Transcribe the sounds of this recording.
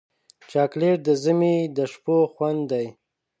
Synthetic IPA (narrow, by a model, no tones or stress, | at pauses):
t͡ʃɑːkleʈ̚d̪əzəmid̪əʃpoxwand̪d̪aj